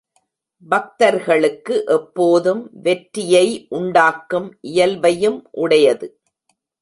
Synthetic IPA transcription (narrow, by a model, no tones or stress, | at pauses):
bɐk̚t̪ɐɾɣɐɭɯkːɯʔɛpːoːðɯmʋɛʈɾɪjɐɪʔʊɳɖaːkːɯmʔɪjɐlʋɐjɯmʔʊɽɐjɐðɯ